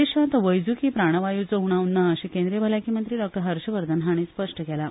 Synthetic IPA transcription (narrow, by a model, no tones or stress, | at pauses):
eɕant̪əʋəjd͡zukiːpɾaɽ̃əʋajut͡səuɽ̃awnːaːɕĩkend̪ɾijbʱəlakiːmənt̪ɾiːɖɔk̚ʈəɾɦəɾɕəʋəɾd̪ənɦaɽ̃iːspəʂʈəkɛla